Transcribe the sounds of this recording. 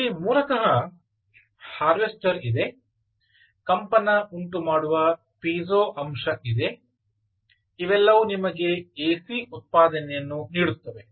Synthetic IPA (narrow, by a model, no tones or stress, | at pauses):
imuːlɐkɐɦɐ | haːɾʋesʈɐɾid̪e̞ | kɐmpɐnɐuɳʈumaːɽuʋɐ | piːzoːʔɐmʂɐʔid̪e̞ | iʋɛlːɐʋunimɐɡe̞eːsiut̪̚paːd̪ɐnɛjɐnːuniːɽut̪ːɐʋe̞